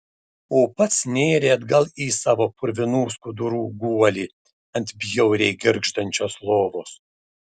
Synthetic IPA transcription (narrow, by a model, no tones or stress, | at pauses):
oːpɐt̪snʲeːɾʲeːɐd̪ɡɐlˠiːsɑːʋoːpʊɾʲʋʲɪnuːskʊd̪ʊɾuːɡuɔlʲiː | ɐnʲt̪ʲbʲjɛʊɾʲɛɪɡʲɪɾɡʃt̪ɐnʲt͡ʃʲoːslˠoːʋoːs